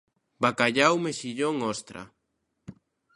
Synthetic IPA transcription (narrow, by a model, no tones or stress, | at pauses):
bakaʎawmeʃiʎoŋɔst̪ɾa̰